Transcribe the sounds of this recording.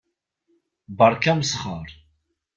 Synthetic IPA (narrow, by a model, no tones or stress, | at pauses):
bəɾˤkæmsχəɾˤ